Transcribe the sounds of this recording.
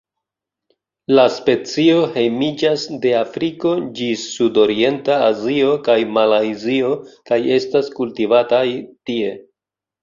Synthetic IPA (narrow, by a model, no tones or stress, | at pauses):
laspe̞t͡sio̞he̞jmid͡ʒasde̞afɾiko̞d͡ʒisudo̞ɾie̞ntaazio̞kajmalajzio̞kaje̞staskultivatajtie̞